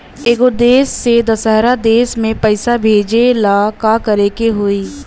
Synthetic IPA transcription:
eːɡod̪eːsːed̪ɐsəɦɾad̪eːsmẽpɐɪsabʱeːd͡ʒelaːkakɐɾeːkeɦoːiː

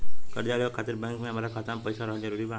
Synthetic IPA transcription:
kəɾd͡ʒalekʰat̪iɾbɛŋkmẽameɾakʰat̪ampəjsaɾɔɦəd͡ʒəɾuɾiba

